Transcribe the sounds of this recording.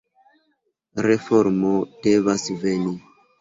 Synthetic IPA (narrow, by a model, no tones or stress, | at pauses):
ɾe̞fo̞ɾmod̥e̞vasve̞ni